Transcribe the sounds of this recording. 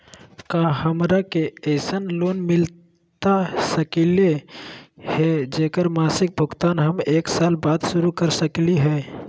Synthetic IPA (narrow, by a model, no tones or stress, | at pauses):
kaːhəmɾakeɛɪsənloːnmɪl | t̪asəkile | hɛd͡ʒeːkəɾmaːsɪk̚bʱʊɡt̪aːnɦəmeːksaːlbaːd̪sʊɾukəɾsəkliɦɛ